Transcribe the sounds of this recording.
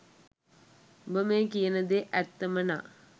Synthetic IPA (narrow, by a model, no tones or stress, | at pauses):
bəmekijənəd̪eʔæt̪ːəməna̰ː